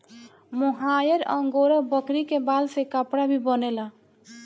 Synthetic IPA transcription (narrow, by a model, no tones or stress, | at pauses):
mɔɦajəɾəŋɡoɾəbəkɾikebalsekapɽabʱibənela